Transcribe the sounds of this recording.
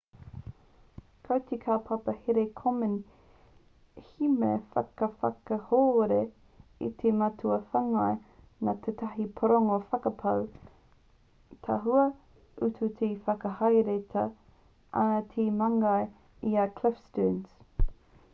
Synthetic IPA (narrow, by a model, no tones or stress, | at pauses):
kʰɐwt̪ʰikʰaːpʰapɐheɾekʰomən | himḛfɐ̰kɐfa̰kɐhoːɾe | ḭt̪ʰemɐtʰuɐfaŋaj | nat̪ʰet̪ʰɐɦipʰoɾoŋofɐkɐpʰɐw | t̪ʰɐɦuɐ | utʰut̪ʰefɐkɐhɐjɾet̪ʰɐ | ʔɐ̰nɐt̪ʰemɐŋɐ | iakʰlɪfstuːns